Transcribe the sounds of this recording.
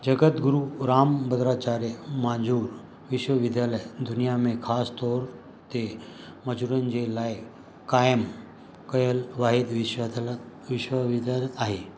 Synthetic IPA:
d͡ʑəɡət̪ɡuɾuɾambəd̪ɾat͡ɕaɾemad͡zʱuːɾ | ʋiɕwəʋid̪jaləjd̪unijamẽkʰast̪ɔɾ | t̪e | məd͡zʱuɾand͡ʑelaj | kajəm | kəjəlʋaɦid̪ʋi | ʋiɕʋəʋid̪alaɦe

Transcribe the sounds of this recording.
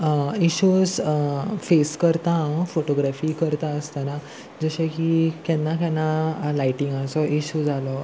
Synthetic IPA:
iɕuːd͡z | feskəɾt̪ãfoʈoɡɾafiːkəɾt̪aəst̪ana | d͡zəɕẽkikɛnːakãnːalaiʈiŋɡasɔʔiɕuːd͡zalɔ

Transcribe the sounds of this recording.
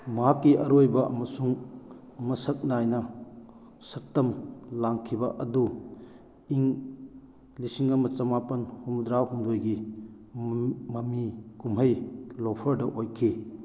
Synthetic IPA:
mɐɦakːiʔɐɾojbɐʔɐmɐsuŋ | mɐsɐk̚najnɐ | sɐk̚tɐmlaŋkʰibɐʔɐdu | iŋ | lisiŋɐmɐt͡ʃɐmapɐnhumd̪ɾawhumdojɡi | mɐmikumɦɐjlopʰɐɾdɐʔojkʰi

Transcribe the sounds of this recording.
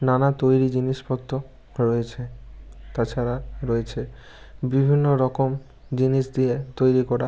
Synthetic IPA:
nanat̪ojɾid͡ʑiniʃpɔt̪ːo | ɾɔet͡ɕʰet̪at͡ɕʰaɾaɾoet͡ɕʰe | bibʱinːoɾɔkom | d͡ʑiniʃd̪iet̪ojɾikɔɾa

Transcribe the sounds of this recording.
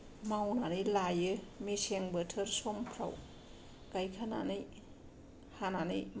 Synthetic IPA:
mawnanɯjlajɯmeseŋbətʰɯɾsɔmpʰɾa̰w | ɡajkʰana̰nɯj | hananɯ̰jm

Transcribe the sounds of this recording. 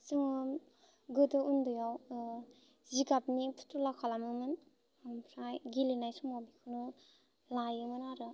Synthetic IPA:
sɯŋɯ | ɡɯtɯundujaw | zikapnipʰu̥tɾulakʰalamɯmɯn | mpʰɾajɡilinajsumɔbikʰɯnɯ | lajɯmɯnaɾɯ

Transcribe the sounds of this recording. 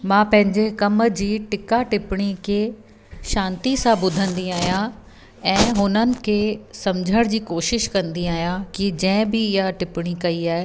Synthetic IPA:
mãːpɐ̃ɦɪ̃ɲd͡ʑekɐmd͡ʑiːʈɪkaʈɪpɪɽ̃ikʰe | ʃãːnt̪isãbʊd̪ʱə̃nd̪iaːɦijã | ɛ̃ːɦʊnənɪ̆kʰeːsɐmd͡ʑʱəɽ̃d͡ʑiːkoːʃɪʃkɐ̃nd̪iaːɦijãkid͡ʑɛ̃ːɪ̃bɪɪɦaʈɪpɪɽ̃ikɐiaːɦe

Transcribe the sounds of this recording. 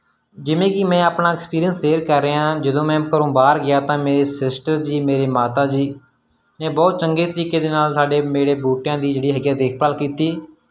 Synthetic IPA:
d͡ʒɪʋẽːkɪmɛ̃ːaːpnaːɪkspiːɾijənsːeːɾkəɾːeːãːd͡ʒəd̪õːmɛ̃ːkəɾõːbaːɾɡɪjaːt̪ãːmeːɾeːsɪsʈəɾd͡ʒiːmeːɾeːmaːt̪aːd͡ʒiː | mɛ̃ːbɔːt̪̚t͡ʃəŋɡeːt̪əɾiːkeːd̪eːnaːlsaːɖeːmeːɽeːbuːʈɪjãːd̪iːd͡ʒeːɽiːɦəɡjaːd̪eːk̚ʰpaːlkiːt̪iː

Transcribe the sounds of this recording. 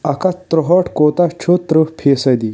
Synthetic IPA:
ɐkat̪ɾɔɦɔʈkot̪at͡ʃʰot̪ɾəpʰesɐd̪i

